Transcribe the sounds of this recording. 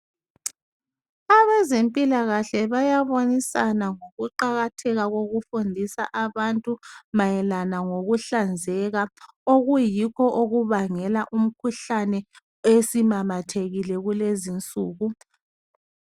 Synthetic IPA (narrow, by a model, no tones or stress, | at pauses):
aβɛzempʼilaɣaɬɛβajaβonisanaŋoɣuǃaɣatʰɛɣaɣoɣufundʱisa̰ʔaβantʼumajɛlanaŋoɣuɬand͡zʱɛɣa | oɣujikʰɔʔoɣuβaŋɛlaʔum̩kʰuɬanɛ | esimamatʰeɣilɛɣulezint͡sʼuːɣu